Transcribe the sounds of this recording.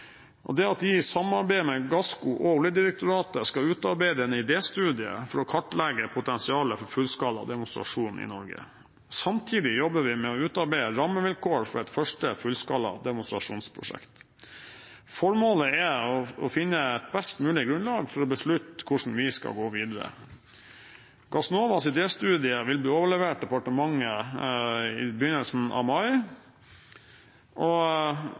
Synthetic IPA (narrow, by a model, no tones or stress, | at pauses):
ʔɔ̰d̪ɛɑt̪dɪsɑmɑɾbæɪmɛɡɑskʊʔɔuləd̪ɪɾək̚t̪ʊɾɑːt̪əskɑʉːt̪ɑɾbæɪd̪əɛnɪd̪eːst̪ʉːd̪ɪə̰fɔɾɔkʰɑʈːlɛɡəpʰʊt̪ɛnsɪɑːləfɔɾfʉlskɑlːɑ̰d̪ɛmʊnst̪ɾɑ̰ʂuːnɪ̰nɔɾɡə̰ | sɑmt̪ʰiːd̪ɪjɔbəʋɪmɛɔʉːt̪ɑɾbæɪəɾɑmːəʋɪlkʰoːəɾfɔɾɛɪt̪fœʂʈəfʉlskɑlɑ̰d̪ɛmʊnst̪ɾɑʂuːnspʰɾʊ̰ʂɛ̰kt̪ | fɔɾmoːləɛɔɔfɪnːəɛt̪̚bɛst̪mʉːlɪɡɾʉnlɑːɡfɔɾɔbəʂɭʉt̪kʰʊʂɳn̩ʋɪskɑ̰ɡoːʋiːd̪əɾə̰ | ɡ̥ɑsnoːʋɑsɪd̪eːst̪ʉːd̪ɪəʋɪlbliːoːʋəɭɛʋeːʈ̚d̪ɛpɑʈəmɑŋːə | ɪ̰bəjʏnːəlsn̩ɑ̰ʋmɑɪ | ʔɔ